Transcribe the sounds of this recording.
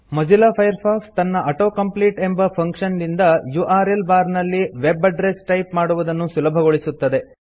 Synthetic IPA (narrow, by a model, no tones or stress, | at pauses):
mɐd͡ʒilaːpʰɐjɐɾpʰaːkst̪ɐnːɐʔɐʈo̞ːkɐmpliːʈe̞mbɐpʰɐŋkʂɐnd̪ind̪ɐjuʔaːɾe̞lbaːɾnɐlːiʋebɐɖɾesʈɐjpmaːɽuʋɐd̪ɐnːusulɐbʱɐɡoɭisut̪ːɐd̪e̞